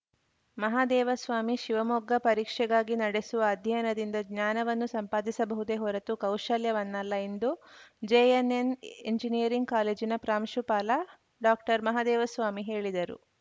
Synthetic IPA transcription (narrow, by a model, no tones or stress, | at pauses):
mɐɦaːd̪ɛːʋɐsʋaːmiʃiʋɐmoɡːɐpɐɾiːkʂɛɡaːɡinɐɽesuʋɐːd̪ʱjɐjnɐd̪ind̪ɐɡɲaːnɐʋɐnːusɐmpaːd̪isɐbɐɦud̪eɦɔɾɐt̪ukɐwʃɐljɐʋɐnːɐlːɐend̪ud͡ʒeeneneɲd͡ʒinijɐɾiŋɡkaːleːd͡ʒinɐpɾaːmʃupaːlɐ | ɖaːk̚ʈɐɾmɐɦaːd̪ɛːʋɐsʋaːmiɦe̞ːɭid̪ɐɾṵ